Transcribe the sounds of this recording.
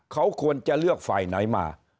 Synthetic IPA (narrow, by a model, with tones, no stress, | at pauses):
kʰa˦˥wkʰu˧ənt͡ɕa˧˩lɯ˥˩ək̚fa̰ː˨˩jnɔ˨˦jma̰ː˧